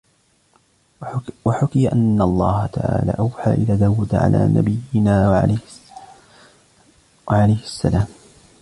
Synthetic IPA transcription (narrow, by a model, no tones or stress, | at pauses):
waħʊkɪjaʔanːaɑlˤːɑːhat̪aʕa̰ːlaːʔawħaːʔɪlaːd̪awːad̪aʕa̰lʔa̰ːna̰bɪjɪnaː | waʕalajhɪsːalaːm